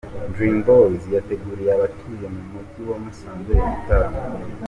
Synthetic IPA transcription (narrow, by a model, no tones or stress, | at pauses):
ndɾimbolzjate̞ɡuɾijaβatʰujemumuɟiwomusaːnzejeɡutaɾan